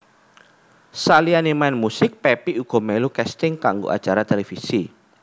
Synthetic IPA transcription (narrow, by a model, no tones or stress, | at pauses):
salianimanmusɪk̚pɛpiuɡ̥ɔ̤mɛlukɛst̪ɪŋkaŋɡo̰ʔa̰t͡ʃaɾat̪elefisi